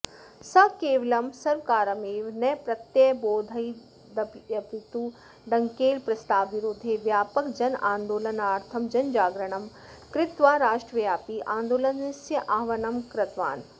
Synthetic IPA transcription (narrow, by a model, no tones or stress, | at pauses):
sɐkeːʋlɐmsɐɾʋkaːɾɐmeːʋnɐjpɾɐt̪jɐboːd̪ʱɐj | d̪ɐbjɐbit̪u | ɖɐŋkeːlpɾɐst̪aːʋiɾoːd̪ʱeʋjaːpɐkd͡ʒɐnaːnd̪oːlɐnaːɾt̪ʰɐmd͡ʒɐnd͡ʒaːɡɾɐɳ̃ɐm | kɾɪt̪ʋaːɾaːʃʈɾɐjaːpiʔãːnd̪oːlɐnɪsjɐʔaːʋɐnɐmkɾɐt̪ʋa̰ːn